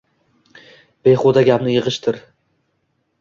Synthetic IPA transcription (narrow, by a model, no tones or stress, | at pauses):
be̞χod̪aɡʲapnɪjɨʁɨʃt̪ɪɾ